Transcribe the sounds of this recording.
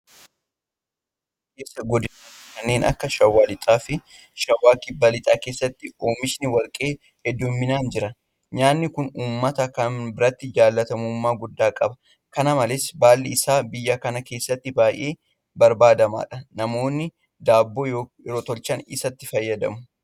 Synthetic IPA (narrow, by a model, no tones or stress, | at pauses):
keːsːɐɡɔd̪ɪnaː | kɐnːe̞ːnɐ̰kːɐʃɐwːaːlɪt̪ʼaːfɪ | ʃɐwːaːkɪbːɐlɪt̪ʼaːke̞ːsːɐt̪ːɪoːmɪʃnɪwɐlkʼe̞ː | hɛd̪ːʊmːɪnaːnd͡ʒɪɾɐ | ɲaːnːɪkʊnuːmːɐt̪ɐkɐnbɪɾɐt̪ːɪd͡ʒaːlːɐt̪ɐmuːmːaːɡʊd̪ːaːkʼɐbɐ | kɐnɐmɐlɪsbaːlːɪɪsaːbɪjːakɐnɐke̞ːsːɐt̪ːɪbaːjʔe̞ː | bɐɾbaːd̪ɐma̰ːᶑɐnɐmo̞ːnːɪ | d̪aːbːoːjo | ɪɾot̪ɔlt͡ʃɐnɪsɐt̪ːɪfɐjːɐd̪ɐ̰mʊ